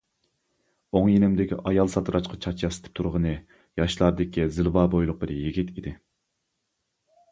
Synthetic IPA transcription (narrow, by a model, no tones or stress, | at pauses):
oŋjenɪmd̪ɪkʲʰḭʔɑjɑlˠsɑt̪ʰɨɾɑʃqʰɑt͡ʃʰɑt͡ʃʰjɑsɪ̥t̪ʰɪ̥p̚t̪ʰuɾʁənɨ | jɑʃlˠɑɾd̪ɪkʲʰizɪlˠvɑːbojlˠʊq̚bɨɾjiɡʲit̪ʰid̪ɪ